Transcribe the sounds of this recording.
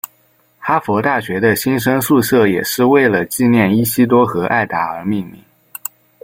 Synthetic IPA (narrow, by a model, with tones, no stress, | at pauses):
xa˥fɔ˧˥t̪a˥˩ɕɥɛ˧˥d̪ə˧ɕi˥nʂə˥ŋʂu˥˧ʂɤ˥˩jɛ̰˨˩ʂɻ̩˥˧we˥˩ɪlə˩t͡ɕi˥˧njɛ˥˩ni˥ɕi˥t̪̬wɔ˥xɤ˧˥ʔa̰˥˩ɪt̪a˧˥ə˞˧˥mi˥˧ŋmḭ˥˧˩ŋ